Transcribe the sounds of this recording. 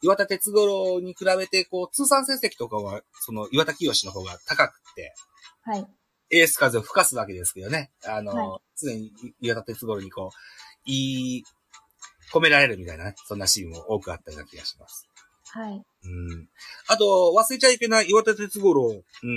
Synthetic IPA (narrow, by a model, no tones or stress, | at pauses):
iβat̪at̪e̞t͡sɨɡo̞ɾo̞ɲ̟ikɯ̟ɾaβe̞t̪e̞ko̞ːt͡sɨːsãɰ̃sẽ̞ɰ̃se̞kʲi̥t̪o̞kaβa | so̞no̞iβat̪akʲio̞ɕino̞ɦo̞ːɡat̪akakɯ̟̥t̪ːe̞̰ | hai | eːsɨ̥kazɨoɸɯ̟̥kasɨβake̞d̪e̞sɨ̥kjo̞ne̞ano̞t͡sɨnẽ̞ɲ̟iiβat̪at̪e̞t͡sɨɡo̞ɾo̞ɲ̟iko̞ːi | ko̞me̞ɾaɾe̞ɾɯ̟mʲit̪ainanesõ̞nːaɕiːmɯoʔo̞ːkɯ̟a̰t̪ːaɾina̰kʲiɡa̰ɕi̥ma̰sɨ̥ | hai | ɯ̟̃ | at̪o̞βasɨit͡ɕaipenaiβat̪at̪e̞t͡sɨɡo̞ɾoɯ̟̃